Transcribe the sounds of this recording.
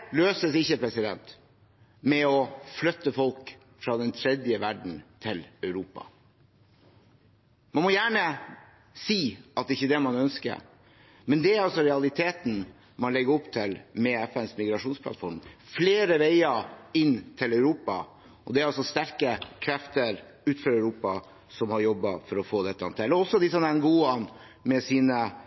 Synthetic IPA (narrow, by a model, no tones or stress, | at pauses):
løːsəsɪçːəpʰɾɛsɪd̪ɛ̰nt̪ | mɛɔflœt̪ːəfɔlk | fɾɑːd̪ɛnt̪ʰɾɛd̪jəʋæɖɳ̩t̪ʰɪlœʉɾuːpɑ̰ | mɑnmɔjæːɳə | siːʔɑt̪̚ɛɪçːəd̪ɛmɑnœnskə̰ɾ | mɛnd̪ɛæɾɑlsɔɾɛɑlɪt̪ʰeːt̪n̩ | mɑnlɛɡəɾɔpt̪ʰɪlmɛɛfɛnsmɪɡɾɑʂuːnspʰlɑ̰t̪fɔɾmfleːɾəʋeɪɑɪnːt̪ʰɪlœʉɾuːpɑ̰ | ʔɔd̪ɛæɾɑlsɔst̪æɾkəkʰɾɛft̪əɾ | ʉːt̪føːɾœʉɾuːpɑ | sɔmhɑɾjɔbːɑfɔɾɔfoːd̪ɛt̪ːəɑnt̪ʰɛlːɔɔsɔd̪ɪsɔmnɛnɡuːɑn | mɛsiːnə